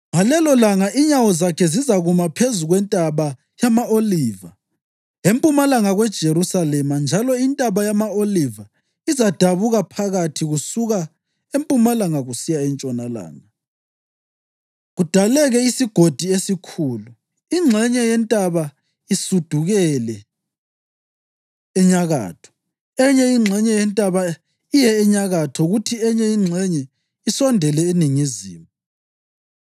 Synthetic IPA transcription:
ŋalɛlɔlaŋaʔiɲawɔzakʰɛzizaɣumapʰezuɣwɛntʼaβa | jamaoliːva | empʼumalaŋaɣwɛd̥ʒ̥ʱeɾusalɛmand͡ʒʱalɔintʼaβajamaoliva | izad̥ʱaβuɣapʰaɣatʰiɣusuɣa | empʼumalaŋaɣusijaɛnt͡ʃʼɔnala̰ːŋa | ɣud̥ʱalɛɣɛisiɡ̥ʱod̥ʱiesikʰuːlu | iŋ͡ǁʱɛɲɛjɛntʼaβa | isud̥ʱuɣɛlɛ | ɛɲaɣa̰ːtʰɔ̥ | ɛɲɛiŋ͡ǁʱɛɲɛjɛntʼaβa | ijɛɛɲaɣatʰɔɣutʰiɛɲɛiŋ͡ǁʱɛɲɛ | isɔndʱɛlɛeniŋiziːmɔ

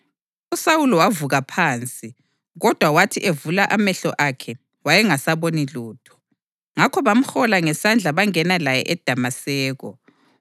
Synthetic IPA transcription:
usawulɔwavuɣapʰaːnt͡sʼi | ɣɔd̥ʱwawatʰiʔevulaʔamɛɬɔʔakʰɛ | wajɛŋasaβoniluːtʰɔ̥ | ŋakʰɔβam̩xɔlaŋɛsand͡ɮʱaβaŋɛnalajɛ̰ʔɛd̥ʱamasɛːɣɔ̰

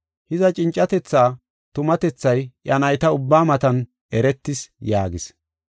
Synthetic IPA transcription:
hɪzɐt͡ʃʼɪnt͡ʃʼːɐt̪ɛt͡sːaː | t̪ʊmɐt̪ɛt͡sːɐjʔɐnɐjt̪ɐʊbːaːmɐt̪ɐn | ɛɾɛt̪ːɪsjaːɡɪs

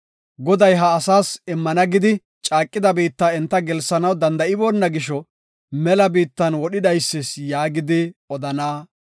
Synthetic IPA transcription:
ɡɔd̪ɐjɦɐːsaːsɪmːɐnɐɡɪd̪ɪ | t͡ʃʼaːkʼːɪd̪ɐbiːt̪ːaɛnt̪ːɐɡɛlsɐnɐwd̪ɐnd̪ɐɪboːnːɐɡɪʃɔ | mɛlɐbiːt̪ːɐnwɔɗɪd̪ɐjsːɪsjaːɡɪd̪ɪɔd̪ɐnaː

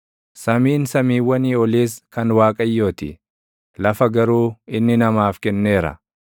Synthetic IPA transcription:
sɐmiːnsɐmiːwːɐniːɔliːskɐnwaːkʼɐjːo̞ːt̪ɪ̰ | lɐfɐɡɐɾuːɪnːɪnɐmaːfkɛnːe̞ːɾɐ̰

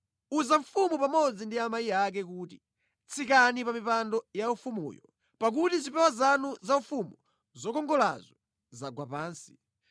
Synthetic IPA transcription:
uzaɱfumupamɔd͡zindiamajiak̬ɛkuːti̥ | t͡sʰikanipamipandɔjaufumṵːjɔ | pak̬utizipɛwazanuzaufumu | zɔkɔŋɡɔla̰zɔ | zaɡwapaːnsi̥

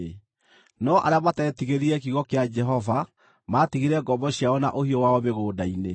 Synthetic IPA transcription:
nɔʔa̰ɾeamatɛtiɣeɾiɾɛkiɣɔkead͡ʒɛɦɔva | maːtiɣiɾɛɡɔbɔɕjaɔna̰ʔohiɔwaɔmeɣoːdaine

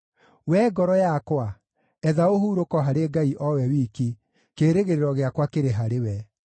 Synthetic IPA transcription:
wɛɡɔɾɔjakwa | ɛðaoɦuɾokɔɦaɾeɡaiʔɔwɛwiːki | keɾeɣeɾeɾɔɣeakwakeɾeɦaɾewɛ

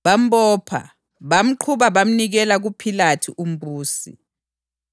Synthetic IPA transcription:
βam̩bɔːpʰa̰ | βam̩ǃʰuβaβam̩niɣɛlaɣupʰilatʰiʔum̩buːsḭ

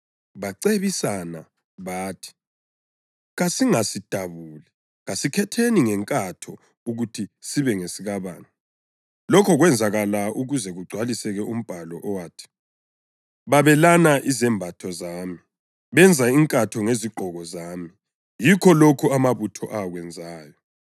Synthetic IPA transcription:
βaǀeβisana̰ | βaːtʰi̥ | ɣasiŋasid̥ʱaβuːlɛ | ɣasikʰɛtʰeniŋɛŋkʼatʰɔ | uɣutʰisiβɛŋesiɣaβa̰ːna | lɔkʰɔɣwɛnd͡zʱaɣalauɣuzɛɣuɡ͡ǀʱwalisɛɣɛʔum̩b̥ʱalɔʔɔwaːtʰi̥ | βaβɛlanaʔizɛmbʱatʰɔzaːmi | βɛnd͡zʱaiŋkʼatʰɔŋeziɡ͡ǃʱɔɣɔzaːmi | jikʰɔlokʰɔamaβutʰɔʔaɣwɛnd͡zʱaːjɔ

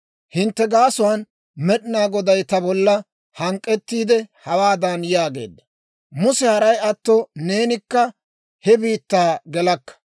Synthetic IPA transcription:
hɪnt̪ːɛɡaːsʊwaːn | mɛɗɪnaːɡɔd̪ɐjt̪ɐbɔlːɐ | hɐŋkʼːɛt̪ːiːd̪ɛhɐwaːd̪ɐnjaːɡe̞̰ːd̪ːɐ | mʊsɛhɐɾɐjɐt̪ːone̞ːnɪkːɐ | hɛbiːt̪ːaːɡɛlɐkːɐ̥

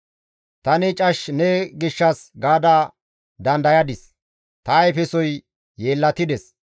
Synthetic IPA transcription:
t̪ɐnɪt͡ʃʼɐʃnɛɡɪʃːɐsɡaːd̪aː | d̪ɐnd̪ɐjɐd̪ɪs | t̪ɐːjpɛsɔj | jeːlːɐt̪ɪd̪ɛs

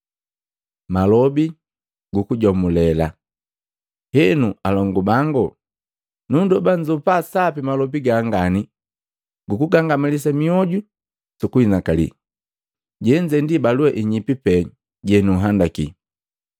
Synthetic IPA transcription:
malɔbi | ɡukuɟɔmulɛla̰ | hɛnualɔŋɡubaŋɡɔ | nundɔbaɲd͡ʒupasapimalɔbiɡaŋɡani | ɡukuɡaŋɡamilis̬amiɔɟu | sukuinakalḭ | ɟɛɲd͡ʒɛndibaluɛʔiɲipipɛ | ɟɛnuɦandakḭ

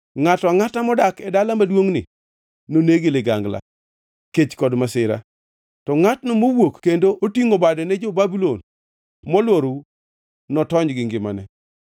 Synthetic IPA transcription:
ŋatɔaŋatamɔdakɛdalamadwoŋnɪ̰ | noneɡeleɡa̰ŋɡla̰ | ket͡ʃkɔdmasɪɾa̰ | tɔŋatnomowokːendoʔotiŋobadɛnɛd͡ʒobabulon | mɔlwoɾu | nɔtɔɲɡɪŋɡɪmanɛ

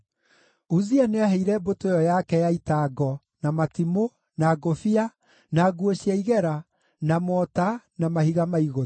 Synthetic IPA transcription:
uzianeaɦeiɾɛbotojɔjakɛjaitaːɡɔ | namatimo | naɡofia | naɡuoɕjaiɣɛɾa | namɔtanamahiɣamaiɣo

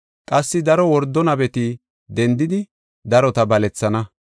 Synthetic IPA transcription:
kʼɐsːɪd̪ɐɾɔwɔɾd̪ːɔnɐbɛt̪ɪ | d̪ɛnd̪ɪd̪ɪ | d̪ɐɾɔt̪ɐbɐlɛt͡sːɐnɐ

